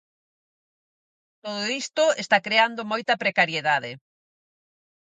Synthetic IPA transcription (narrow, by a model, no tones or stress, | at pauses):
t̪oðoist̪ʊest̪akɾeand̪omojt̪ɐpɾekaɾjeðaðe